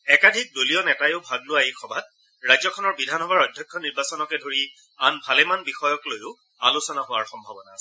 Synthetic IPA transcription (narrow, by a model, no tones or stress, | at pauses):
ɛkadʱik̚doliɔnɛtajʊbʱaɡlʊaejxʰɔbʱat̚ | ɹajzɔkʰɔnɔɹbidʱanɔbaɹɔjdʱjɔkʰːɔniɹbasɔnɔkɛdʱoɹi | anbʱalɛmanbixɔjɔklojʊ | alusɔnaɦʊaɹxɔmbʱabɔnasɛ